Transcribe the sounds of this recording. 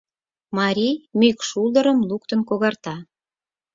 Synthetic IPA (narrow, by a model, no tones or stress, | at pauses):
mɑɾʲimykʃuld̪əɾə̆mlukt̪ənkoɣɑrt̪ɑ